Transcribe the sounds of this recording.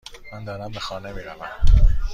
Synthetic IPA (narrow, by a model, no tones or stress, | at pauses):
mænd̪ɒːɾæmbexɒːnemiːɾævæm